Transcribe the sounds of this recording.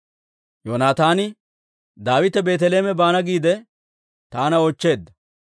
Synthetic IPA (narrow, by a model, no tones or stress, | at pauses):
joːnaːt̪aːnɪ | d̪aːwɪt̪ɛbe̞ːt̪ɛle̞ːmɛbaːnɐɡiːd̪ɛ | t̪aːnɐɔt͡ʃːe̞ːd̪ːɐ